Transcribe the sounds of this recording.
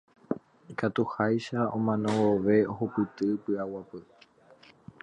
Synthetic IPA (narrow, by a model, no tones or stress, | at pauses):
ikat̪uhajʃaõ̞̰mãnõwoʋe̞oɦopɨt̪ɨpɨawapɨ